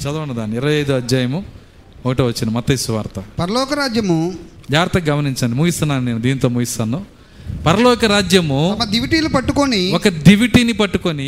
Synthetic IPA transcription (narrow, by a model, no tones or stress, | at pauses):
t͡ʃɐd̪ɐʋɐnːɐd̪aːnːiːɾɐʋɐjɐjd̪uɐd͡ʒjaːjɐmu | okɐʈeːʋɐt͡ʃːindimɐt̪ːɐisuʋa̰ːɾt̪ɐpɐɾɐlɔːkɐɾaːd͡ʒjɐmud͡ʒaːɾt̪ɐɡɐmɐniɲt͡ʃɐnɖimuːɡist̪unːaːnneːnud̪iːnit̪oːmuːɡist̪aːnːu | pɐɾɐlɔːkɐɾaːd͡ʒjɐmumɐd̪iʋiʈiːlupɐʈːukoniɔkɐd̪iʋiʈiːnipɐʈːukoni